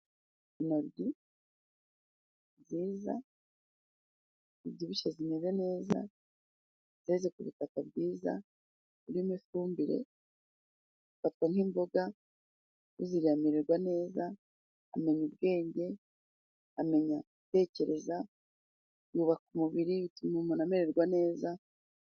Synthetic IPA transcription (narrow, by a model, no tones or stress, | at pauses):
inaɾɟi | ziːza̰ | iβɟiβiʃazime̞zene̞ːza̰ | zeze̞kuβutakabɟiːza̰ | uɾimifuːmbiɾe̞̰ | zufatwaŋhimbo̞ɡa | uziɾiamiɾeɾɡwane̞ːza | a̰me̞ɲubɡe̞ːɲɟe̞ | ame̞ɲa | ite̞ːce̞ɾe̞za | juːβakumuβiɾiβitumumunameɾeɾɡwane̞ːza